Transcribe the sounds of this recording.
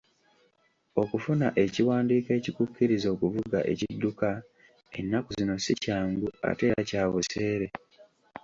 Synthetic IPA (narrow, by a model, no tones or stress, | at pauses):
o̞kufunaʔe̞ciwaːndiːke̞cikukːiɾizo̞ːkuvuɡa̰ʔe̞̰cidːuka | e̞̰nːakuzzino̞sicaːŋɡua̰te̞ːɾacaːβuse̞ːɾe̞